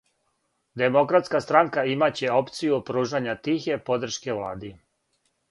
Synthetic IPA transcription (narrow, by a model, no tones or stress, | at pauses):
d̪emo̞kɾat̪skast̪ɾaŋkaimat͡ɕe̞o̞pt̪sijupɾuːʒaɲat̪ixe̞po̞d̪r̩ʃke̞ʋlˠa̰ːd̪i